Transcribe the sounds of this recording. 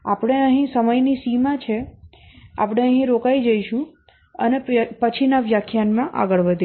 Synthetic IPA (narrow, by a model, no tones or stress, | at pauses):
apɽ̃eəɦĩsəməjnisimãt͡ʃʰe | a̰pɽ̃eəɦĩɾokajd͡ʒəiʃũ | ənepət͡ʃʰinaʋjakʰjanmãʔa̰ɡəɭʋəd̪ʱe